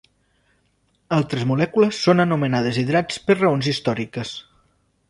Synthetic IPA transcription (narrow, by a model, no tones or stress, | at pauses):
alˠt̪ɾəzmulɛkuləsːonənumənað̞əziðɾat͡spəɾrəonzist̪ɔɾikəs